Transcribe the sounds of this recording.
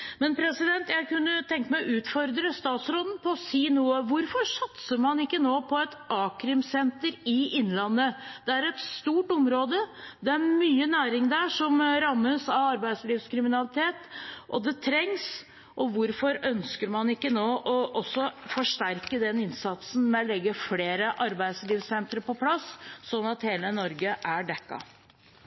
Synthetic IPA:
mɛnpʰɾɛsɪd̪ɛnt̪jæɪkʉnːət̪ʰɛŋk̪əmæʉːt̪fɔɾd̪ɾəst̪ɑːt̪sɾoːd̪n̩pʰɔːsiːnuːəʋʊɾfɔɾʂɑt̪səɾmɑnɪkːənoːpʰɔɛt̪ɑːkɾɪmsɛnt̪əɾɪɪnːlɑnːəd̪̥ɛæɾɛt̪st̪uːʈɔmɾoːd̪əd̪ɛæɾmyːənæːɾɪŋd̪æʂɔmɾɑmːəsɑɑɾbæɪsliːʋskɾɪmɪnɑlɪt̪ʰeːt̪ʔɔd̪ɛt̪ʰɾɛŋs | ʔɔʋʊɾfɔɾœnskəɾmɑnɪkːənoːʔɔʔɔsːɔfɔʂʈæɾkəd̪ɛnɪnsɑt̪sn̩mɛɔlɛɡːəfleːɾəʔɑɾbæɪsliːʋsɛnt̪ɾəɾpɔpʰlɑsːɔnːɑt̪heːlənɔɾɡəʔæɖɛkːɑ̰

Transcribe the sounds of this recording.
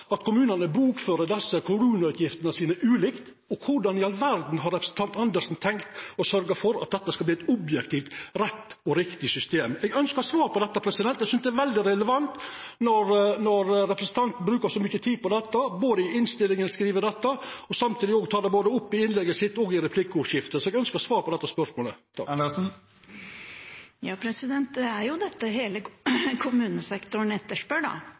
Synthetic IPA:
ɑt̪kʰʊmʉːnənəbɾuːkføːɾəd̪ɛsːəkʰʊmʉːnɑʉːt̪jɪft̪ənəsiːnəʔʉːlɪkt̪ | ɔkʰʊɖɑnɪɑlʋæɾd̪n̩ɦɑɾɛpɾəsn̩t̪ɑnt̪ɑnd̪əsn̩t̪ʰɛŋkt̪ɔsœɾɡɑfɔɾɑ̰t̪̚d̪ɛt̪ːəskɑlbliːɛt̪ɔbjɛkt̪ʰiːft̪ɾɛt̪ːɔɾɪkt̪ɪsʏst̪eːmɛɡœnskəɾsʋɑːɾpɔd̪ɛt̪ːɑpʰɾɛsɪd̪ɛnt̪ːɛsʏnsd̪ɛɾʋɛld̪ɪɾɛləʋɑnt̪nɔɾnɔɾɾɛpɾəsnt̪ʰɑnt̪n̩bɾʉːkəsɔmʏçət̪ʰiːd̪̚pɔd̪ɛt̪ːɑboːd̪əɪɪnst̪ɪlːɪŋənskɾiːʋəd̪ɛt̪ːɑɔsɑmt̪ʰiːd̪ɪoːɡt̪ʰɑːd̪ɛboːd̪əʊpːɪɪnlɛɡːəsɪt̪ːɔɡɪɾɛpʰlɪkːəɔʂɪft̪əsɔɛɡœnskəsʋɑːɾpʰɔd̪ɛt̪ːɑspœʂmoːlə | lɛsn̩ | jɑːpʰɾɛsɪd̪ɛnt̪d̪ɛæɾjʊd̪ɛt̪ːəheːləkʰʊmʉːnəsɛkt̪ʊɳ̩ɛt̪ːəʂpøːɖɑ̰

